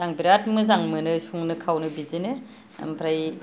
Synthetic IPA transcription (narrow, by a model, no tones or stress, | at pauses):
zaŋbiɾat̚mɯzaŋmɯnɯsuŋnɯkʰawnɯbizinḛ | mpʰɾaj